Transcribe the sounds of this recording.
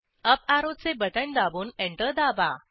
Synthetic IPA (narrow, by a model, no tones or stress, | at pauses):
əp̚aɾod̪̚t͡sebəʈənd̪abuːneɳʈəɾd̪aba